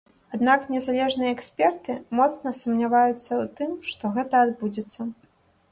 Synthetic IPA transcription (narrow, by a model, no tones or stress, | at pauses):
ad̪naknʲɛzalʲɛʐnɨjɐɛksʲpʲɛrt̪ɨmɔt̪snɐsumnʲavajut̪sːɐut̪ɨmʂt̪ɔɣɛt̪ɐːd̪bud͡zʲɛt̪sːɐ